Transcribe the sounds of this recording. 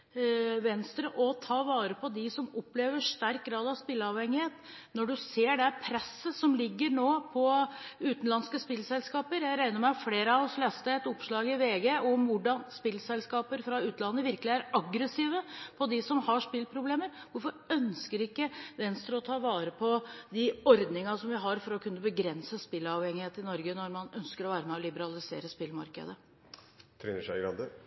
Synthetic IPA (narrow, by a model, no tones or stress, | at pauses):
ʋɛnst̪ɾəʔɔt̪ʰɑːʋɑːɾəpʰɔd̪ɪsɔmɔpːleːʋəʂt̪æɾk̚ɡɾɑːd̪ɑʋspɪlːəɑʋhɛŋːɪheːt̪ | nɔɖʉseːɖɛpʰɾɛsːəsɔmlɪɡːəɾnoːpʰɔʉːt̪nlɑnskəspɪlsɛlskɑːpəɾjæɪɾæɪnəɾmæɪɑfleːɾəɑɔflɛst̪əɛt̪ʊpʂɭɑːɡɪʋeːɡeʔɔmʋʊɖɑnspɪlsɛlskɑːpəɾfɾɑʉːt̪nɑnːəʋɪɾkəlɪæɾɑɡɾəsiːʋəpʰɔd̪ɪsɔmhɑʂpɪlpʰɾʊbleːməɾʋʊɾfɔɾœnskəɾɪkːəʋɛnst̪ɾəɔt̪ʰɑːʋɑːɾəpʰɔd̪ɪɔɾd̪nɪŋɑsɔmʋɪɦɑɾfɔɾɔkʰʉnːəbəɡɾɛnsəspɪlːɑʋhɛŋːɪheːt̪ɪnɔɾɡənɔɾmɑnœnskəɾɔʋæːɾəmɛɔlɪbəɾɑlɪsḛːɾəspɪlmɑ̰ɾkə̰d̪ə | t̪ʰɾɛnəʂæɪɡɾɑ̰nd̪ə